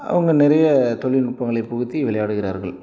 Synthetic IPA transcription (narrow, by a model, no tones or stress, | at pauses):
ʔɐ̰ʋɐŋɡɐnɪɾɐjɐt̪ɔɭɪnʊrpːɐŋɡɐɭɐɪpːɔɣɯt̪ːiʋɪlɐjaːɽɯɣɪɾaːɾɣɐɭ